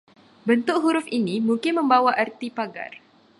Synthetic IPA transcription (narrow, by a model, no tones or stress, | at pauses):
bənt̪ʊk̚ɦuɾʊfinimũŋkɪnmə̃mbawaʔart̪ipaɡa̰r